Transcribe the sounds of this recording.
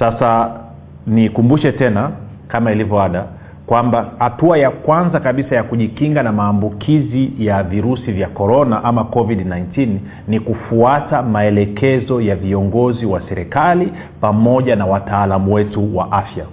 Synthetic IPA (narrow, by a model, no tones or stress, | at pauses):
sasa | nikumbuʃɛtɛna | kamailivɔaɗa | kwambahatuajakwanzakaɓisajakuʄikiŋɡanamaːmbukʰizijaviɾusivjakɔɾɔnaʔamakɔviɗnajntin | nikufuatamaɛlɛkɛzɔjaviɔŋɡɔziwasɛɾɛkali | pamɔʄanawataːlamuwɛtuwaʔafja